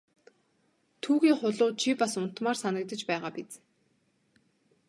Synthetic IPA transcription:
t̪ʰuːɣiːŋχʊɮʊːt͡ɕʰipasʊn̥t̪maːrsanə̆k̚t̪ə̆t͡ɕpæːʁaːpit͡s

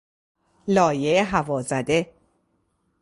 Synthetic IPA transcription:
lɒːjeeɦævɒːzæd̪e̞

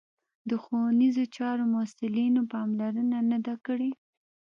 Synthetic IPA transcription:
d̪əxownizot͡ʃɑɾomʊsɪlinopɑmlaɾənanad̪akəɽe

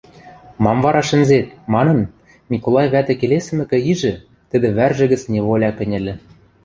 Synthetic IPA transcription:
mɑmvɑɾɑʃɘ̆nzet̪̚mɑnɤ̆n | nʲikolˠɑjβæt̪ɘ̆kelesɘ̆mɘ̆kɘ̆iʒɘ̆ | t̪ə̆d̪ɘ̆βærʒɘ̆ɣɘ̆t͡snʲeβolʲɑkɘ̆nʲɘ̆lʲɘ̆

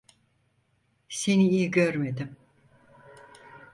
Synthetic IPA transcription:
seniijɟøɾme̞d̪im

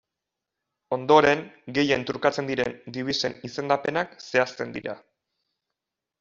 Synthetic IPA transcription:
o̞nd̪o̞ɾe̞ŋɡe̞je̞nt̪uɾkat͡se̞nd̪iɾend̪iβ̞ise̞̰nise̞nd̪ape̞nakse̞ast̪e̞nd̪ḭɾa̰

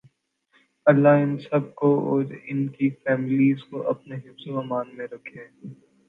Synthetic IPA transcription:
ɐlːaɪnsɐb̚koɔ̰ːɾɪnkifɛːmɪliːzkoʔɐpneɦɪfzoɐmaːnmẽɾɐkʰeː

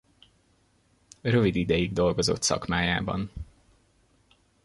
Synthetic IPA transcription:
rø̞vid̪id̪ɛjiɡd̪o̞lɡo̞zo̞̰t̪sɒ̰kmaːjaːbɒ̰n

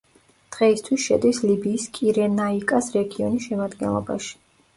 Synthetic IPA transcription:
d̪̥ʁɛist̪ʰwisʃɛ̰d̪islibiːskʼiɾɛnaikʼasɾɛɡiɔnisʃɛmad̪ɡɛ̰nlˠɔ̰ba̰ʃi̥

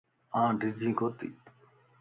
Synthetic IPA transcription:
ãːɖʱɪd͡ʒĩːkoːt̪ḭː

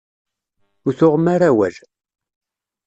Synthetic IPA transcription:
ʊɾθʊʁmaɾawæl

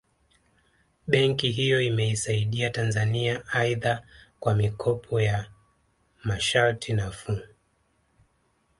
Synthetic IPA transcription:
ɓɛŋkiɦijɔimɛisaiɗiatanzaniaaiðakwamikʰɔpʰɔja | maʃaltʰinafu

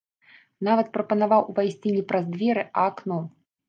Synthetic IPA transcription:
navɐt̪̚pɾɐpɐnavawuvajsʲt͡sʲinʲɛpɾɐzd̪vʲɛɾɨʔɐːknɔ

